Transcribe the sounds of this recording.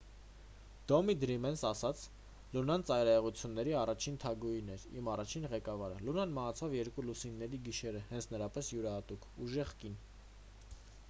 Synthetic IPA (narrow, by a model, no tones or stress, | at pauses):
d̪̥ɔmid̪ɾimɛnsɑsɑt͡sʰ | lunɑnt͡sɑjɾɑɛʁut͡sʰjunːɛɾiɑrɑt͡ʃʰint̪ʰɑɡujinɛɾḭmɑrɑt͡ʃʰinʁɛkɑvɑɾə̰lunɑnməɦɑt͡sʰɑvjɛɾkulusinːɛɾiɡiʃɛɾəhɛnt͡sʰnəɾɑpɛsjuɾɑhɑt̪ukuʒɛʁkin